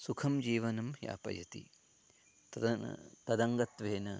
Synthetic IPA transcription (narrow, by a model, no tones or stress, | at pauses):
sukʰɐmd͡ʒiːʋɐnɐmja̰ːpɐ̰jɐt̪ḭ | t̪ɐd̪ɐŋɡɐt̪ʋeːnɐ